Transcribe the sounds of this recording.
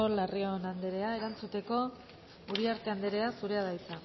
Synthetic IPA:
olario̞nand̪eɾe̞ae̞ɾant͡sut̪e̞ko̞ | uɾiaɾt̪e̞and̪eɾe̞asuɾe̞aðajt͡sa

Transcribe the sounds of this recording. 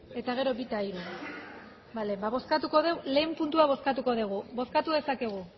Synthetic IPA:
e̞t̪aɣ̞e̞ɾo̞bit̪aiɾu | balembaβoskat̪uko̞ðele̞ːmpunt̪uaβ̞o̞skat̪uko̞ðeɣ̞ubo̞skat̪uðe̞sake̞ɣ̞u

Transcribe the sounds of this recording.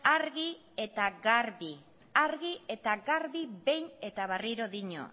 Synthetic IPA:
aɾɣi | e̞t̪aɣaɾβi | aɾɣie̞t̪aɡaɾβibe̞jne̞t̪aβariɾo̞ðiɲo̰

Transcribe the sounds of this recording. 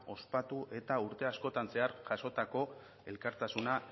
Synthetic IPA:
o̞spat̪uʔe̞t̪auɾt̪e̞asko̞t̪anse̞aɾʝaso̞t̪ako̞ | e̞lkaɾt̪asuna

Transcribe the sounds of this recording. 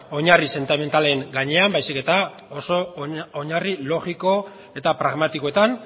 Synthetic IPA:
o̞ɲarise̞nt̪ime̞nt̪ale̞ŋɡaɲe̞ambajsike̞t̪a | o̞so̞oɲarilo̞ɣiko̞ | e̞t̪apɾaɣmat̪ikoe̞t̪an

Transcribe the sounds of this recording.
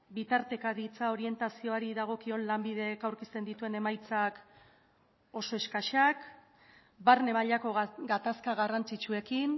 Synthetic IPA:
bit̪aɾt̪e̞kaðit͡sao̞ɾie̞nt̪asio̞aɾiðaɣ̞o̞kio̞nlambið̞e̞kawɾkist̪e̞nd̪it̪ue̞ne̞majt͡sak | o̞so̞e̞skaʃak | baɾne̞maʎako̞ɡat̪askaɣarant͡sit͡ʃue̞kin

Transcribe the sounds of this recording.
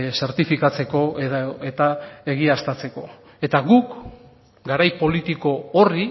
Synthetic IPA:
se̞ɾt̪ifikat͡se̞ko̞et̪ae̞ɣ̞iast̪at͡se̞ko̞ | e̞t̪aɣuk | ɡaɾajpo̞lit̪iko̞ori

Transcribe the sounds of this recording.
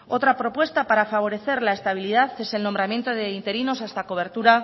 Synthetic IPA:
o̞t̪ɾapɾo̞pwe̞st̪apaɾafaβ̞o̞ɾe̞θe̞ɾlae̞st̪aβ̞ilið̞aθe̞se̞lno̞mbɾamje̞nt̪oðe̞int̪e̞ɾino̞sast̪ako̞β̞e̞ɾt̪uɾa

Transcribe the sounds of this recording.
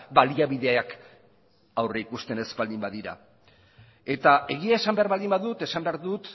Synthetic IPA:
baliaβiðe̞ak | awreikust̪e̞ne̞spald̪imbaðiɾa̰ | e̞t̪ae̞ɣ̞iae̞sambe̞aɾβald̪imbaðut̪e̞sambe̞aɾðut̪

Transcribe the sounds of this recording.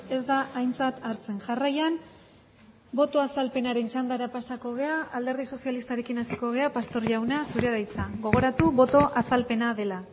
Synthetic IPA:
e̞zd̪aːjnt͡sat̪aɾt͡se̞nʝarajan | bo̞t̪o̞asalpe̞naɾe̞nt͡ʃand̪aɾapasako̞ɣ̞e̞aald̪e̞ɾðiso̞sialist̪aɾe̞kinasiko̞ɣe̞apast̪o̞ɾʝawnasuɾe̞ðajt͡saɣo̞ɣ̞o̞ɾat̪uβo̞t̪o̞ʔasalpe̞naðe̞la

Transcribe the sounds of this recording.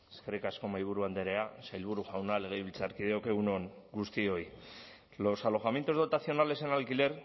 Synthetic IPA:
eskerikasko̞majβ̞uɾuand̪e̞ɾe̞asajlβ̞uɾuʝawnaleɣejβilt͡saɾkið̞eoke̞unoŋɡust̪io̞j | lo̞salo̞xame̞nt̪o̞zð̞o̞t̪aθio̞nale̞se̞nalkile̞ɾ

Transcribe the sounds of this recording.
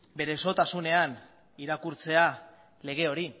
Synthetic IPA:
be̞ɾe̞so̞t̪asune̞an | iɾakuɾt͡se̞a | le̞ɣ̞e̞o̞ɾi

